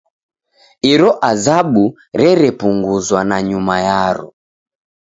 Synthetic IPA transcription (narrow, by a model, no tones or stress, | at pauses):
iɾɔʔazaɓu | ɾɛɾɛpuŋɡuzwanaɲumajaɾɔ̰